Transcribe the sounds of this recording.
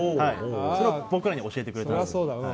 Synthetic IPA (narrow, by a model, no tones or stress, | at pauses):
haisoɾebo̞kɯ̟ɾaɲ̟io̞ɕiet̪e̞kɯ̟ɾeaoːd̪